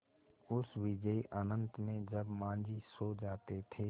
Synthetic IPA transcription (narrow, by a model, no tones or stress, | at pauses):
ʊsʋɪd͡ʒəiʔənə̃nt̪mẽd͡ʒəbmãːnd͡ʒisoːd͡ʒaːt̪et̪ʰeː